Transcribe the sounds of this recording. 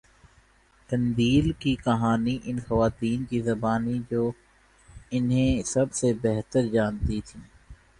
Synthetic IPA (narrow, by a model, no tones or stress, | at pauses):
ʈɐ̃nd̪iːlkikɐɦaːniʔɪnxɐʋaːt̪iːnkizɐbaːnid͡ʒoː | ɪnɦẽsɐbsebɛɦt̪əɾd͡ʒaːnt̪it̪ʰiː